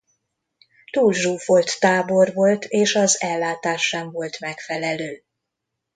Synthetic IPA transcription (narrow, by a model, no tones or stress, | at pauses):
t̪uːlʒuːfo̞lt̪ːaːbo̞rvo̞lt̪ʰeːʃɒzɛlːaːt̪aːʃːɛɱvo̞lt̪mɛkfɛlɛløː